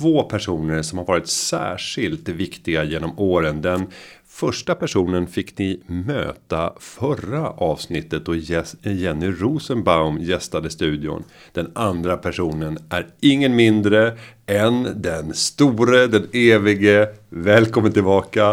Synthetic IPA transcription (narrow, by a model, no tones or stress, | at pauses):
t̪ʰvoːpʰæʂuːnəɾsɔmhaɾvɑːɾɪt̪sæ̰ːʂɪlt̪vɪkt̪ɪɡajeːnɔmoːɾənd̪ɛn | fœʂʈapæʂuːnənfɪkːnɪmø̰ːt̪afœɾaʔɑːvsnɪt̪ːət̪̚d̪ɔjɛnːɪɾuːsənbaʊmjɛst̪ad̪əst̪ʉ̟ːd̪ɪʊ̰n | d̪̥ɛnand̪ɾapʰæʂuːnənʔæ̰ɾɪŋːənmɪnd̪ɾəɛnd̪ɛnst̪uːɾəd̪ɛneːvɪɡəvɛːlkʰɔmːənt̪ɪlbɑːka